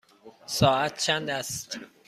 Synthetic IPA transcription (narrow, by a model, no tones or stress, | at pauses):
sɒːæt̪̚t͡ʃʰænd̪æst̪